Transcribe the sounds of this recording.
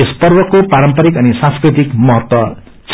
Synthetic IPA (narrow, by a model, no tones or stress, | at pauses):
espʌrwʌkopaɾʌmpʌɾikʌnisãnskɾit̪ikmʌɦʌt̪wʌ | t͡sʰ